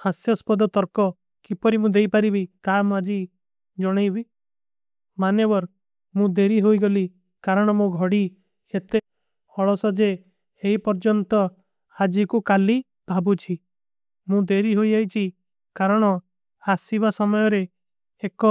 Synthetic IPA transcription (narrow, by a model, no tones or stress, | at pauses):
hasjɔspɔd̪ɔt̪ɔɾkɔ | kipɔɾimũd̪ejpaɾibit̪amũad͡ʒi | d͡ʒɔɽ̃ejbi | manebɔɾ | mũd̪eɾiɦoiɡoli | kaɾɔɽ̃ɔmũɡʱɔɽi | et̪e | hɔɭɔsɔd͡ʒe | heipɔɾd͡ʒɔnt̪ɔ | ad͡ʒikukali | b̥ʱabut͡ʃʰi | mũd̪eɾiɦoid͡ʒajt͡ʃʰi | kaɾɔɽ̃ɔ | asiβasɔmɔjɔɾeː | kɔ